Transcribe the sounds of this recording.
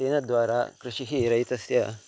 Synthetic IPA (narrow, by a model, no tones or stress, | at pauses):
enɐd̪ʋaɾa̰kɾɨɕiɦiɾɐit̪ɐsjɐ